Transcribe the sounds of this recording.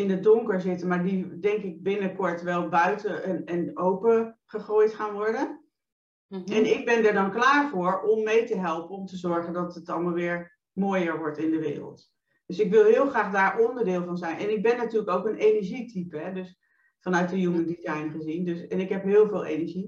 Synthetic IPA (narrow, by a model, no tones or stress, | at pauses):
ɪndədʊŋkəɹzɪtənmaːɹdidɛŋkɪɡ̚bɪnəkɔɹtʋɛlˠbœɥtəənənowpəχəχoːjtχaːnʋɔɹdə | ɛnɪɡ̚bɛndɛɹdɑnklaːɹvʊːɹɔmːejtəɦɛlˠpənɔmtəzɔɹχəndɑtətɑlˠmaːlˠʋɪːɹ | moːjəɹʋɔɹtɪndəʋɪ̰ːrə̰lˠt | d̥øsɪkʋɪlˠɦɪːlˠχraːχdaːɹʔɔndəɹdɪːlˠvɑnzɛjnʔɛ̰nɪɡ̚bɛnːatyːləkowkənejnəɹʒitipɦɛdøs | fɑnœɥt̚dəjuməndizɛjnχəzindøsɛnɪkɦɛpɦɪːlˠvɪːlˠḛnəɹʒi